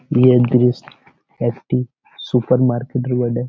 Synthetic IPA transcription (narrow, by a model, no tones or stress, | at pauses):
jed̪ɾis | hefʈi | supɐɾmaːɾkeʈɾʋɐɖe